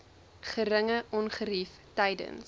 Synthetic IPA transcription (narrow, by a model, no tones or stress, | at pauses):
χəɾəŋəʔɔnχəɾif | tɛjdə̰ns